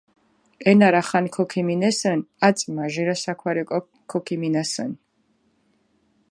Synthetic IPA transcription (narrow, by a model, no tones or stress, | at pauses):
ɛnaɾaχankʰɔkʰiminɛsənat̪sʼmaʒiɾasakʰwaɾikʼɔ | kʰːɔkʰiminasɛ̰n